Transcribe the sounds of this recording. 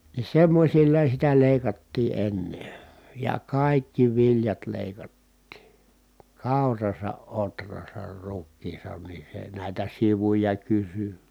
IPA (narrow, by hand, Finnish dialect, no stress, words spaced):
ni semːosʲilːɑ sitæ leˑi̯kɑtːiː ʔenːe jɑ kɑˑikːi ʋiljɑt leˑikɑtːiː kɑˑurɑsɑ ʔotrɑsɑr rukːiːsɑn ni se næˑitæ siʋujɑ kysy